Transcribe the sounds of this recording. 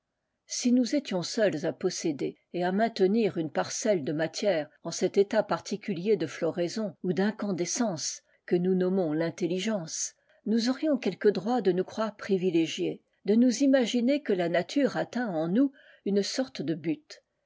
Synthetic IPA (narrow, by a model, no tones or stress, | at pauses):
sinuzet̪jɔ̃sœlzapɔsed̪e | eamɛ̃t̪əniʁynpaʁsɛld̪əmat̪jɛʁɑ̃sɛt̪et̪apaʁt̪ʰikʲyljed̪əflɔʁezɔ̃ud̪ɛ̃kɑ̃d̪esɑ̃s | kənunɔmɔ̃lɛ̃t̪eliʒɑ̃s | nuzɔʁjɔ̃kʲɛlkəd̪ʁwad̪ənukχwaʁpχivileʒje | d̪ənuzimaʒinekəlanat̪ʰyʁat̪ɛ̃ɑ̃nu | ynsɔʁt̪d̪əbyt̪